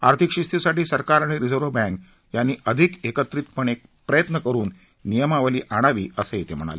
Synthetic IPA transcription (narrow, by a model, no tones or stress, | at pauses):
aɾt̪ʰikʂist̪ʰisaʈiːsəɾkaɾaɽ̃iɾid͡zoɾʋəbɛ̃ŋk | janːiːʔəd̪ʱikekət̪ɾit̪pəɳek̚ | pɾəjət̪nəkəɾuːnː | ijəmaʋəliːʔaɽ̃aʋiːəseit̪ʰem̤əɽ̃a̰le